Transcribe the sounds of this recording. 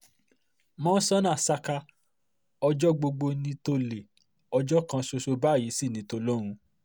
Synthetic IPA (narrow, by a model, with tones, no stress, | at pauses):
mɔ̃ː˦sɔ˦nã˦˨sa˧ka˧ | ɔ˧d͡ʒɔ˦ɡ͡bo˧ɡ͡bo˧nĩ˧to˧le˨ | ɔ˧d͡ʒɔ˦kã˧so˧so˧ba˦˨ji˨˦si˦˨nĩ˨˦to˧lo˦ɾ̃ũ˧